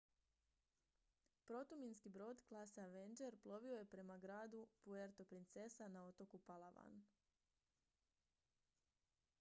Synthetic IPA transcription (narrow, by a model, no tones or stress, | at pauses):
pɾo̞t̪uminskibɾo̞ːd̪klˠasaʋend͡ʒe̞ɾplˠo̞ʋio̞je̞pɾe̞maɡɾaːd̪upueɾt̪o̞pɾint̪se̞sanao̞t̪o̞kupalˠaʋa̰n